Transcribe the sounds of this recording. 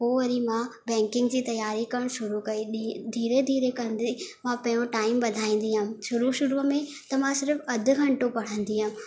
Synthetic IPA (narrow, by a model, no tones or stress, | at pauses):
ɦoːʋɐɾimãbɛ̃ːŋkɪ̃ŋɡd͡ʑiːt̪ɐjaːɾikɐɽ̃ʃʊɾukɐid̪ʱiːɾed̪ʱiːɾekɐnd̪imãpɐ̃jõʈaːɪmɓɐd̪ʱaːĩːn̆d̪iɦʊ̃̆ʃʊɾuʃʊɾumẽ | t̪ɐm̤ãsɪɾfɐd̪ʱʊ̆ɡʱɐ̃ɳʈopɐɽ̤ə̃nd̪iɦʊ̃